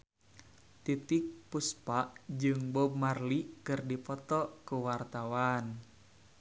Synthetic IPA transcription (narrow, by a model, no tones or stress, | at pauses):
t̪it̪ik̚puspaʔd͡ʒɨŋbɔb̚marlikɨrdipɔt̪ɔkuwart̪awan